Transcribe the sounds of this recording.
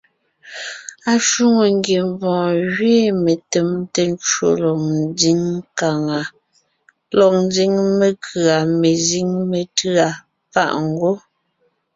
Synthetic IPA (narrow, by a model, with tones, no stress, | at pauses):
a˨ʃu˦ŋo˨ŋɡje˨mvɔ̃ː˨ɣɥeː˦˨me˨tɛ˨mte˦n˦t͡ʃo˦lɔ˨k̚n˦zi˦ŋka˨ŋa˨ | lɔ˨k̚n˦zi˦ŋme˨kʰɰa˨me˨zi˦ŋme˨tɰa˨ | pa̰˦˨ʔŋ̩˦ɡo˦